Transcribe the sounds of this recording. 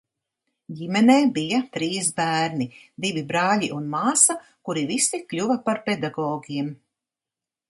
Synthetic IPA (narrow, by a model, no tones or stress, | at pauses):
ɟimɛneːbijat̪ɾiːsbæːɾnid̪ivibɾɑːʎiʔunmaːsakuɾivisiklʲuvɐpaɾpɛd̪aɡɔːɡiɛm